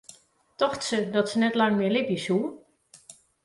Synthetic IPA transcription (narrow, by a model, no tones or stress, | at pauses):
tɔxtsədɔtsənɛtlɑŋmɪəlɪpjəshu